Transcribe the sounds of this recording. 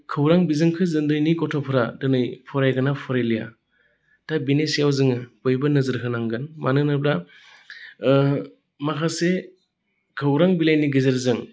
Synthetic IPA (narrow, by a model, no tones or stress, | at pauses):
kʰɯwɾaŋbizɯŋkʰɯzɯndɯjnikɔtʰɔpʰɾadɯnɯjpʰɔɾajɡanapʰɔɾajlija̰ | tabinesijawzɯŋɯbojbɯnɯzɯɾɦʰɯnaŋɡɯnmʔanɯnɯbɾa | makʰase | kʰɯwɾaŋbilajniɡɯzeɾzɯŋ